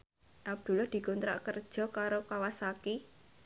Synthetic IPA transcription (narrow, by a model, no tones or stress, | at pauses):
ʔab̚d̪̥ṳlɔhd̪̥i̤kunt̪ɾa̰ʔkərd̥ʒ̥ɔ̤kaɾokawasaki